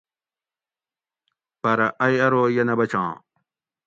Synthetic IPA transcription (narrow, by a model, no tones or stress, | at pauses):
pɐɾɐʔɐjɐɾoːjɐnɐbɐt͡ɕʰã̰ː